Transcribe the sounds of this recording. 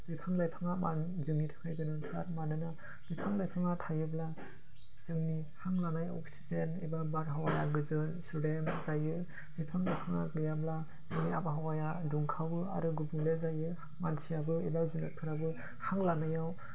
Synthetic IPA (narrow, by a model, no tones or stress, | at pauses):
d̥ɯjpʰaŋlajpʰaŋama̰nzɯŋitʰɯ̥kʰajɡɯnɯnʰka̰ɾmanɯna | d̥ɯjpʰaŋlajpʰaŋatʰajɯbla | z̥ɯŋni | haŋlanajɔ̰k̚si̥zenḛbabaɾɦawaja̰ɡɯzɯnsudemzajɯ | d̥ɯpʰaŋlajpʰaŋa̰klɯjabla | z̥ɯŋniabaɦawajaduŋkʰawbɯa̰ɾɯɡubuŋlezajɯ | mansijabɯebazunat̚pʰɯɾabɯ | haŋlanajaw